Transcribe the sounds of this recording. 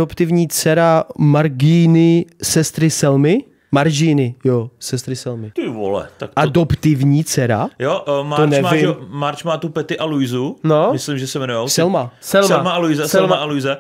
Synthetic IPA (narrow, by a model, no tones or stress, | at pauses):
opt̪ɪvɲiːt͡sɛɾamaɾɡɪnɪsɛst̪ɾɪsɛlmɪ | maɾʒɪnɪjosɛst̪ɾɪsɛlmɪt̪ɪvo̰lɛ̰ak̚tʔadopt̪ɪvɲiːt͡sɛɾajoʔmaonɛvmaɪmmaɾt͡ʃmaːt̪upɛt̪ɪʔalujzunomɪslɪmʒɛsɛmɛnujosɛlmasɛlɛlamaalujɪzɛsɛlmaʔalujzɛ